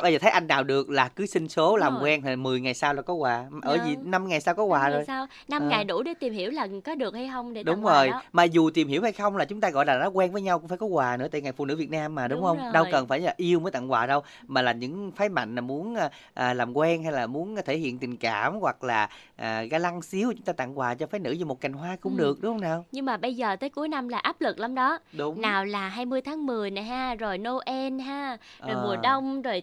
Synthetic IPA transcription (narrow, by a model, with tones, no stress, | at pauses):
a˧zəː˨˩t̪ʰə˨˦jʔa˧jŋ̟naː˨˩wɗɨ˨˩ək̚laː˨˩kɨ˨˦sï˧ŋ̟so˨˦laː˨˩mkwɛ˧na˨˩mɨ˨˩əjŋa˨˩jsaː˧wlaː˨˩kɔ˨˦kwaː˨˩ʔəː˧˩zi˨˩na˧mŋa˨˩jsaː˧wkɔ˨˦waː˨˩zo˨˩jːw | na˧mŋa˨˩jɗṵ˧˩ɗe˧˦t̪i˨˩mhi˧˩əwlaː˨˩kɔ˨˦ɗɨ˨˩ək̚ha˧jxə˧wŋ͡mɗɗʊ˨˦wŋ͡mzo˨˩jmaː˨˩zu˨˩t̪i˨˩mhi˧˩əwha˧jxə˧wŋ͡mlaː˨˩t͡ɕʊ˨˦ŋ͡mt̪aː˧ɣɔ̰˧˨jlaː˨˩nɔ˨˦kwɛ˧nvəː˨˦jɲa˧wkʊ˧˥ŋ͡mfaː˧˩jkɔ˨˦kwaː˨˩nɨ̰˧˥t̪a̰ː˧jŋa˨˩fṵ˧˩nɨ̰˧˥˦vi˨˩ət̚naː˧mːaː˨˩ɗʊ˨˦wŋ͡mhə˧wŋ͡mɗə˧wkə˨˩nfaː˧˩jlaː˨˩ʔi˧əwməː˨˦jt̪a̰˧˨ŋkwaː˨˩ɗə˧w | maː˨˩laː˨˩ɲɨ̰˧˥ŋfaː˨˦jma̰˧˨jŋ̟laː˨˩mu˨˦ənː˧ | ʔəː˨˩laː˨˩mkwɛ˧nɦa˧jlaː˨˩mu˨˦ənt̪ʰe˧˩hḭ˧˨ənt̪ï˨˩ŋ̟kaː˧˩mɣwa˨˩k̚laː˨˩ʔəː˨˩ɣaː˧la˧ŋsi˨˦əwt͡ɕʊ˦ŋ͡mt̪aː˧t̪a̰˧˨ŋkwaː˨˩t͡ɕɔ˧faː˨˦jnɨ̰˧˥zɨ˧˩mo˨˩t̚ka˨˩jŋ̟ɦwaː˧kʊ̰˧˥ŋ͡mɗɨ˨˩ək̚ɗʊ˨˦hə˧wnaː˨˩wɲɨ˧ŋmaː˨˩ɓə˧jzəː˨˩t̪əː˨˦jku˨˦əjna˧mlaː˨˩ʔaː˦˥p̚lɨ˨˩k̚la˧wŋ͡mɗɔ˨˦ɗʊ˨˦ŋ͡mnaː˨˩wlaː˨˩ɦaː˧jmɨ˧əjt̪ʰaː˨˦ŋmɨ˨˩əjna˨˩jɦaː˧zo˨˩jno˧ʔɛ˧nɦaː˧˥zo˨˩˨jmu˨˩əɗə˧wŋ͡mzo˨˩j